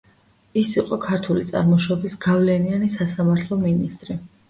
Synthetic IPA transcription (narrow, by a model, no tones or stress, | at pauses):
isiqʼɔkʰaɾt̪ʰulit̪sʼa̰ɾmɔʃɔbisɡavlɛnianisasamaɾt̪ʰlˠɔminist̪ʼɾi